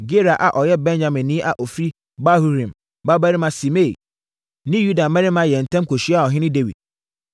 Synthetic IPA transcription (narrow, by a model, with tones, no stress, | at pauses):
ɡe˦ɾa˨ʔa̰˨ʔɔ˨jɛ˦bɛ̃˦nd͡ʑã˨mɪ̃˨nːĩ˦ʔa˨ʔɔ˨fɾi˦ | ba˦hu˦ɾĩ˨m | ba˦ba˦ɾɪ̃˦mã˦si˨me˦˨ḭ˨ | nɪ̃˦ju˦da˨mɛ̃˦ɾɪ̃˦mã˦jɛ˨n̩˨tʰɛ̃˦mkʰo˨ɕi˦a˦˨ɔ˨ɦɪ̃˦nɪ̃˦de˦wḭ˨d̥̚